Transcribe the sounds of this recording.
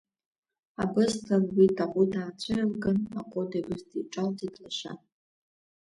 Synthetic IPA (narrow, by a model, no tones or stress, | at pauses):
abɨztʰarwidaqʷʼudaːt͡sʷʰalɡanaqʷʼodabɨztʰiʈ͡ʂʷʼaltʰʼidlaʃa̰